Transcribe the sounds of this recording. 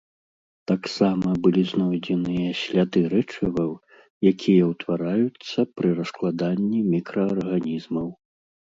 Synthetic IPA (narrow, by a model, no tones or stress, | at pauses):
t̪aksamɐbɨlʲiznɔjd͡zʲɛnɨjɐɕʲlʲad̪ɨɾɛt͡ʂɨvɐw | jakʲʰijɐwt̪vaɾajut̪sːɐpɾɨɾɐsklˠad̪anʲːimʲikɾɐːrɣanʲizmɐw